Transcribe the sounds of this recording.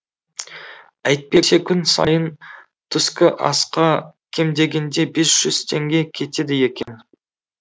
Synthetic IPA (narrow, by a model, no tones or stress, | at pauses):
æjt̪̚pe̞se̞kʲʰʏnsɑ̰jən | t̪ʰʏskʲɪʔɑ̰sqɑkʲʰe̞md̪e̞ɡʲe̞nd̪e̞be̞sʒ̥ʏz̥t̪ʰe̞ŋɡʲe̞kʲʰe̞t̪e̞d̪ɪje̞kʲe̞n